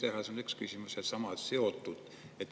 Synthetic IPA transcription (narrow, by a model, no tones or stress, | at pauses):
t̪ehɑseonykskysʲimuset̪sɑmɑt̪seot̪ːud̪̥ | et̪ː